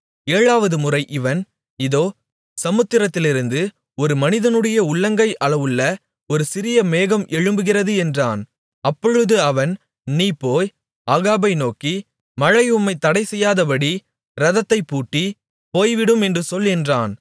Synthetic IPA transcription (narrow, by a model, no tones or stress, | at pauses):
eːɻaːʋɐðɯmɯrɐɪʔɪʋɐn | ɪðoː | sɐmɯt̪ːɪɾɐt̪ːɪlɪɾɯnd̪ɯ | ɔɾɯmɐnɪðɐnɯɽɐjɐʊɭːɐŋɡɐɪʔɐɭɐʋɯɭːɐ | ɔɾɯsɪɾɪjɐmeːɣɐmʔɛɻɯmbɯɣɪrɐðɯɛndraːn | ɐpːɔɻɯðɯɐʋɐn | niːpːoːj | aːɣaːbɐɪnoːki | mɐɻɐɪɯmːɐɪt̪ːɐɽɐɪsɛjːaːðɐpɐɽi | ɾɐðɐt̪ːɐɪpːuːʈːi | poːjʋɪɽɯmɛndrɯsɔlːɛndraːn